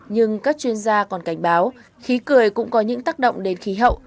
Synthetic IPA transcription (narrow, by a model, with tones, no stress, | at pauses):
ɲɨ˧ŋkaː˦˥k̚t͡ɕwi˧ənzaː˧kɔ˨˩nka˧˩jŋ̟ɓaː˨˦w | xi˨˦kɨ˨˩əjkʊ̰˧˥ŋ͡mkɔ˨˦ɲɨ̰˧˥ŋt̪aː˦˥k̚ɗo̰˧˨wŋ͡mɗe˨˦nxi˨˦ɦə̰˧˨wʔ